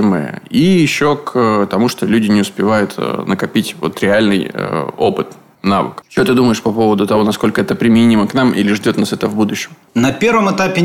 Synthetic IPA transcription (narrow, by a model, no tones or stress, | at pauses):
ɪmɨ̰jə̰ijɪɕːo̞kːt̪ɐmuʂt̪olʲʉdʲɪnʲɪʊspʲɪvajʊt̪ə̰nʔəkɐpʲitʲvo̞̰t̪ɾʲɪalʲnɨjə̰o̰pɨt̪ | navɨ̰kt͡ɕɪot̪ɨd̪uməjɪʂpɐpo̞vəd̪ʊt̪ɐvo̞nɐsko̞lʲkəɛt̪əpɾʲɪmʲɪnʲiməknamʔḭlʲɪʐdʲo̞t̪nasɛt̪əvbud̪ʊɕːɪm | nɐpʲervəmɨt̪apʲɪ